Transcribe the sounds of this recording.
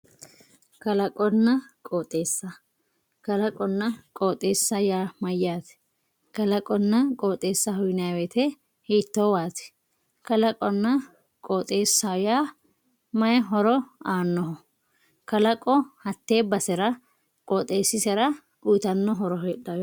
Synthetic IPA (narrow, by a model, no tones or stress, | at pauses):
kɐlɐkʼɔnːɐkʼoːt̪ʼe̞ːsːɐ | kɐlɐkʼɔnːɐkʼoːt̪ʼe̞ːsːɐjaːmɐjaːt̪ɛ̥ | kɐlɐkʼɔnːɐkʼoːt̪ʼe̞ːsːɐhʊjnawɛt̪ʰɛ | hiːt̪ːoːwaːt̪ɛ̥ | kɐlɐkʼɔnːɐ | kʼoːt̪ʼe̞ːsːajaː | mɐjɦɔɾɔaːnːɔɦɔ | kɐlɐkʼɔhɐt̪ːe̞ːbɐsɛɾɐ | kʼoːt̪ʼe̞ːsːɪsɛɾɐ | ujt̪ɐnːɔɦɔɾɔɦeːɗa